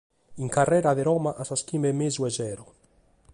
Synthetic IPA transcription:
iŋkarːɛːɾaðeɾɔːmaʔasaskiːmɛmeːzuɛzɛːɾo

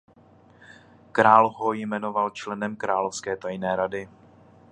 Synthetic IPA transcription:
kɾaːlɦojmɛno̞valt͡ʃlɛnɛmkɾaːlofskɛːt̪ajnɛːɾadɪ

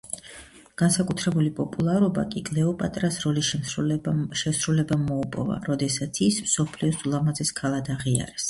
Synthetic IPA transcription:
ɡ̥ansakʼut̪ʰɾɛbulipʼɔpʼulˠaɾɔbakʼiɡlɛɔpʼat̪ʼɾasɾɔli | ʃɛsɾulɛbamɔupʼɔ̰va̰ɾɔd̪ɛsat̪sʰismsɔpʰliɔsulˠamazɛskʰalˠad̪aʁia̰ɾɛs

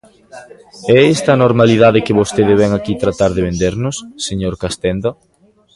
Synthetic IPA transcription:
ɛɛst̪ɐnoɾmaliðaðɪkɪβost̪eðɪβɛŋakit̪ɾat̪aɾðɪβend̪eɾnʊsːeɲoɾkast̪ɛnd̪a

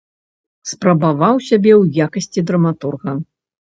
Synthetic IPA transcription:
spɾɐbavawsʲabʲɛwjakɐsʲt͡sʲid̪ɾɐmat̪urɣɐ

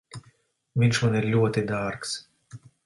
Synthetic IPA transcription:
vʲinʃmaniɾlʲuɔt̪id̪aɾks

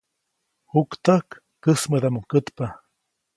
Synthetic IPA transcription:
hukt̪akː | əsməd̪amukət̪pa

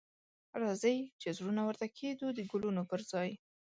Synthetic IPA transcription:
ɾɑzəjt͡ʃezɾunawəɾt̪akʰed̪ud̪əɡʊlunopəɾzɑj

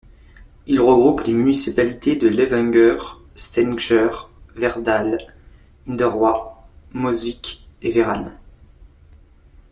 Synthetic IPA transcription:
ilʁəɡʁuplemynisipalit̪ed̪əlevɛ̃ŋɡœʁ | st̪ɛnʒœʁvɛʁd̪al | ind̪əʁwamɔzvikeveʁan

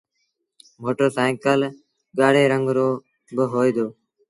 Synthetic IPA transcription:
moːʈəːsaːɪŋkəl | ɠaːɽeːɾəŋɡɾoː | bəɦoːid̪oː

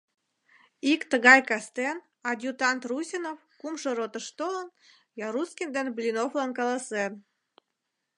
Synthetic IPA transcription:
ikt̪əɣɑjkɑst̪en | ɑd̪ʲjut̪ɑnt̪rusʲinofkumʃə̆ɾot̪ə̆ʃt̪olən | jɑɾuskʲind̪enblʲinoflɑnkɑlɑsen

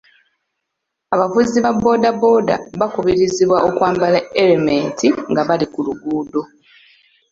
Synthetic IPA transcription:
aβafuziβabːo̞ːdabo̞ːda̰βakuβiɾiziβwaʔokwaːmbalaeɾementʰiŋɡaβalikuluɡuːdo̞

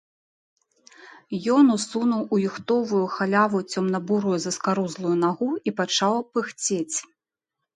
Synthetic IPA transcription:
jɔnusunuwujixt̪ɔvujuxalʲavut͡sʲɔmnɐbuɾujɛzɐskaɾuzlˠujun̪aɣuipat͡ʂawpɨxt͡sʲet͡sʲ

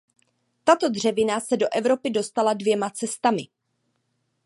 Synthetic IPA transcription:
t̪at̪o̞d̪r̝ɛvɪnasɛdo̞ʔɛvɾo̞pɪdo̞st̪aladvjɛmat͡sɛst̪amɪ

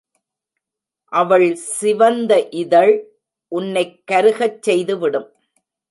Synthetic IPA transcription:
ʔɐʋɐɭsɪʋɐnd̪ɐʔɪðɐɭ | ʔʊnːɐɪkːɐɾɯɣɐt͡ʃːɛjðɯʋɪɽɯm

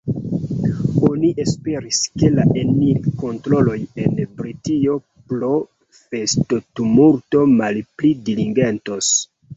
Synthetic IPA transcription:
o̞niʔe̞spe̞ɾiske̞laʔenilko̞ntɾo̞lo̞je̞nbɾitio̞ | plo̞ | fe̞stotumulto̞malplidiliŋɡe̞ntos

